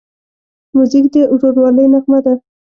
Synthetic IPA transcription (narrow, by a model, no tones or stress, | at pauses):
muzikd̪əʔʒoɾwɑləjmaxmad̪a